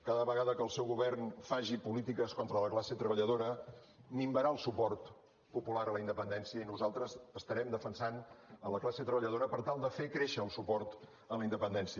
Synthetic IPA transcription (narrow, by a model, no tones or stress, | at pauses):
kaðəβəɣaðəkəlˠsɛwɣuβɛrnfaʒipulit̪ikəskont̪ɾələklaset̪ɾəβəʎəðoɾə | mimbəɾaəlˠsupɔrt̪ | pupulaɾələind̪əpənd̪ɛnsiəinuzalˠt̪ɾəzəst̪əɾɛmd̪əfənsanələklaset̪ɾəβəʎəðoɾəpəɾt̪alˠd̪əfekɾeʃəːlˠsupɔrt̪ | ələind̪əpənd̪ɛnsiə